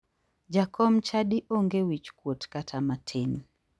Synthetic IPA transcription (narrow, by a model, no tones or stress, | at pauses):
d͡ʒakʰɔmt͡ʃadiʔoŋɡewit͡ʃkwotkatʰamatʰin